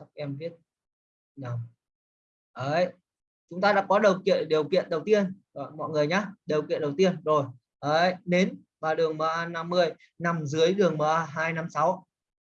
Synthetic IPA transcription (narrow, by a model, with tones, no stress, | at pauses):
a˦˥k̚ʔɛ˧mvi˦˥ət̚ | na˨˧˩m | ʔəː˨˩j | t͡ɕʊ˨˦ŋ͡mt̪aː˧ɗa̰ː˧˥kɔ˨˦ɗə˨˩wkḭ˧˨ənɗi˨˩əwkḭ˧˨ənɗə˨˩wt̪i˧ənɗɔ˨˧˨mɔ̰˧˨jŋɨ˨˩əjɲaː˨˦˥ɗi˨˩əwkḭ˧˨nɗə˨˩wt̪i˧ənzo˨˩j | ʔəː˧˩jne˨˦n | vaː˨˩ɗɨ˨˩əŋməː˨˧˦na˧mːɨ˧əj | na˨˩mzɨ˨˦əjɗɨ˨˩əŋməː˨˦ɦaː˧jna˧msa˨˦w